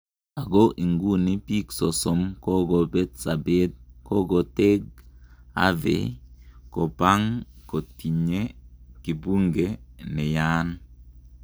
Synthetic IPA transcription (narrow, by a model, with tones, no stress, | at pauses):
a˨ɡo˦ʔi˨ŋɡu˦ni˦pi˦ksɔ˨sɔ˨mkɔ˦ɡɔ˨bɛ˦t̪sa˨be˦t̪̚kɔ˦ɡɔ˨tɛ˦ɡ̚ | a̰˦vḛ˨kɔ˨pa˦ŋko˨ti˨ɲe˦ki˨bu˦ŋɡe˦nɛ˨ja˦n